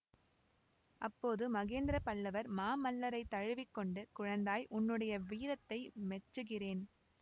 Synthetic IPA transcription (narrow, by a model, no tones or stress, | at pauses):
ʔɐpːoːðɯmɐɣeːnd̪ɪɾɐpɐɭːɐʋɐɾmaːmɐlːɐɾɐɪt̪ːɐɻɯʋɪkːɔɳɖɯkʊɻɐnd̪aːjʔʊnːɯɽɐjɐʋiːɾɐt̪ːɐɪmɛʈrɯɣɪreːn